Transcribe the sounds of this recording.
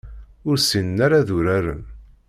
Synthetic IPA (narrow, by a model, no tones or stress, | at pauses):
ʊɾsinnaɾaðʊɾaɾə̰n